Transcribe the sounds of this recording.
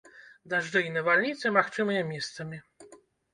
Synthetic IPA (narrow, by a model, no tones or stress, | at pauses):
d̪aʐd̪ɛjnɛvalɲit̪sɛmaxt͡ʂɨmɨjɛmʲjɛst̪sɛmʲi